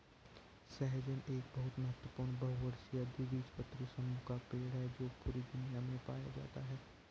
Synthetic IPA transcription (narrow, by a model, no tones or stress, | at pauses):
sɛɦd͡ʒənʔeːk̚bɐɦʊt̪mɐɦət̪wəpʊːɾɳnbɐɦʊʋəɾsijad̪iːʋiːd͡ʒpət̪ːɾisəmukapeːɽɦɛd͡ʒoːpuːɾid̪ʊnijamẽpa̰ːja̰d͡ʒa̰ːt̪aɦɛː